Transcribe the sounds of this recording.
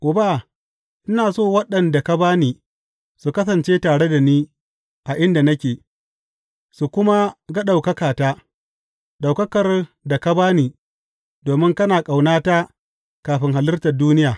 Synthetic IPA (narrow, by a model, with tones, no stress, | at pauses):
ʔʊ˨baː˦˨ | ʔɪ˦naː˨soː˦˨wɐ˦ɗɐ˨nda˨ka˦baː˦niː˦ | su˨kɐ˦s̬ɐ˨nt͡ʃeː˦taː˨ɽe˦da˨niː˦ | ʔa˨ʔɪ˦nda˨nɐ˦kʲeː˨ | su˨kʷʊ˦ma˦ɡa˦ɗa˨wkɐ˦kaː˨taː˦ | ɗa˨wkɐ˦kɐ˨rda˨ka˦baː˦niː˦ | doː˨mɪ˦ŋkɐ˦naː˨kʼa˨wnaː˦ta˦ | kaː˨ɸɪ˦ŋɦa˨lɪ˦rtɐ˨duː˦nɪ˦jaː˨